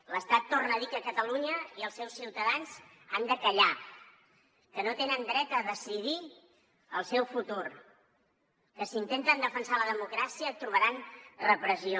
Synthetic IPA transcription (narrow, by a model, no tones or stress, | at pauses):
ləst̪at̪ːornəðikəkət̪əluɲəiəlˠsɛwsiwt̪əðanz | a̰nd̪əkəʎa | kənot̪enənd̪ɾɛt̪əðəsiði | əlˠsɛwfut̪ur | kəsint̪ent̪ənd̪əfənsaləðəmukɾasiət̪ɾuβəɾanrəpɾəzio